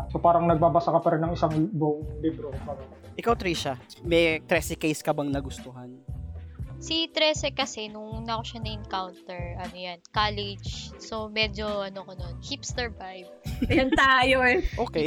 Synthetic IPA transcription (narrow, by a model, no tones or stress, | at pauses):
sopaːɾɐŋnɐɡ̚baːbɐsakɐpɐɾɪnːɐŋɪsaŋbʊʔoŋliːbɾopaɾɐ | ʔɪkawt̪ɾiːʃa | mɛjt̪ɾɛsɪkejskɐbɐŋnɐɡʊst̪oɦɐn | sit̪ɾɛsɛkɐsɛnʊŋnɐkoʃɐnɐʔɪŋkawnt̪ɛɹʔɐnojankalɛd͡ʒso̞mɛd͡ʒo̞ʔɐnokononhipstɛɹvajvɐjɐnt̪aːjoɛʔoːkɛ